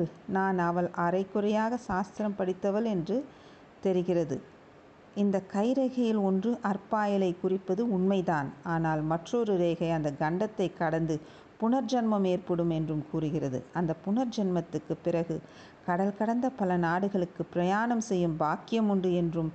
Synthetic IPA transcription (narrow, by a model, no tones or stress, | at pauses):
naːnɐʋɐɭʔɐɾɐɪkːʊrɐjaːɣɐsaːst̪ɪɾɐmpɐɽɪt̪ːɐʋɐlɛndrɯ | t̪ɛɾɯɣɪrɐðɯ̰ | ɪnd̪ɐkɐɪɾɐɣɐjɪlɔndrɯʔɐrpaːjɐlɐɪkːʊrɪpːɐðɯʊɳmɐɪðaːnaːnaːlmɐʈrɔɾɯɾeːɣɐɪɐnd̪ɐɡɐɳɖɐt̪ːɐɪkːɐɽɐnd̪ɯ | pʊɳɐɾd͡ʒɐnmɐmeːrpɐɽɯmɛndrɯmkuːrɯɣɪrɐðɯ̰ɐnd̪ɐpːʊɳɐɾd͡ʒɐnmɐt̪ːɯkːɯpːɪrɐɣɯ | kɐɽɐlkɐɽɐnd̪ɐpɐlɐnaːɽɯɣɐɭɯkːɯpːɪɾɐjaːɳɐmsɛjːɯmbaːkːɪjɐmʊɳɖɯɛndrɯm